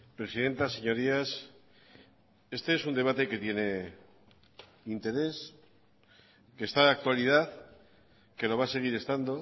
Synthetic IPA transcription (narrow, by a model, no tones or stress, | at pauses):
pɾe̞siðe̞nt̪ase̞ɲo̞ɾias | e̞st̪e̞esund̪e̞β̞at̪e̞ke̞t̪je̞ne̞ | int̪e̞ɾe̞s | ke̞st̪aak̚t̪walið̞að | ke̞lo̞β̞ase̞ɣ̞iɾe̞st̪and̪o̞